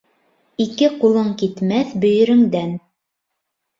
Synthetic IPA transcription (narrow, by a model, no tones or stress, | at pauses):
ikɘqulˠɤɴkit̪mæθbɵ̆jɘ̆ɾɘ̆ŋd̪æn